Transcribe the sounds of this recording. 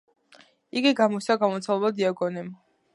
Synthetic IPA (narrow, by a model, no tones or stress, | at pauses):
iɡiɡamɔsaɡamɔt̪sʰalˠɛbad̪iaɡɔnɛm